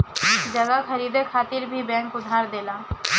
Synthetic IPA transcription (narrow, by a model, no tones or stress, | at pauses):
d͡ʒəɡakʰəɾiːd̪ekʰaːt̪ɪɾbʱibɛ̃ːŋkʊd̪ʱaːɾd̪eːlaː